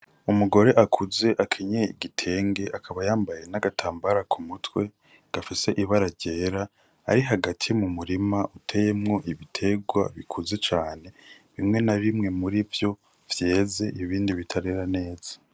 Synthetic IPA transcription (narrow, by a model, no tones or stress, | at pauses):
umuɡo̞ɾe̞ʔakʰuze̞ʔakʰeɲeḭɡitʰe̞ːŋɡe̞ʔakʰaβajaːmbaje̞naɡatʰaːmbaɾakʰumutwe̞ | ɡ̥afise̞ʔiβaɾaɾɟe̞ːɾa | a̰ɾiɦaɡatʰimumuɾimaʔutʰe̞je̞mŋo̞ʔiβitʰe̞ɡwa̰βikʰuze̞t͡ʃaːne̞ | βimŋe̞naɾimŋe̞muɾivjo̞ | v̥je̞ːze̞ʔiβiːndiβitʰaɾeɾane̞ːz̥ḁ